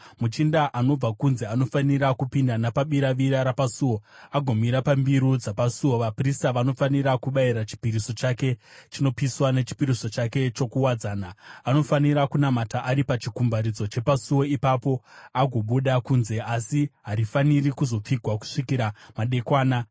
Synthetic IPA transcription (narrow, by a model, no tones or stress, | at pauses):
mut͡ʃindaʔano̞b͡vakunze̞ano̞faniɾakupindanapaɓiɾaʋiɾaɾapasuwo̞aɡʱo̞miɾapambiɾud͡zapasuwo̞ʋapristaʋano̞faniɾakuɓaiɾat͡ʃi̥piɾiso̞t͡ʃake̞t͡ʃino̞piswane̞t͡ʃi̥piɾiso̞t͡ʃake̞t͡ʃo̞kuwad͡zaːnaːno̞faniɾakunamataʔaɾipat͡ʃikumbaɾid͡zo̞t͡ʃe̞pasuwo̞ipapo̞aɡʱo̞ɓuɗakuːnze̞asiɦaɾifanirikuzo̞p͡fiɡʱwaku̥ʂikiɾamaɗe̞kwaːna